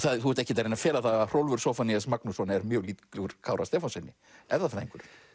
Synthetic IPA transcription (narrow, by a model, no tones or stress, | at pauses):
θaðθuɛt̪ɛhcɪt̪aɾejnafɛːlaθaɣaðr̥owlvʏɾ̥soːfaniasmaknusɔnɛɾmjœːɣliːt̪klɛɣʏɾ̥kʰaːwɾʔast̪ɛːfɔnsɛnːɪ | ɛvðaθaɾeŋkʏɾ̥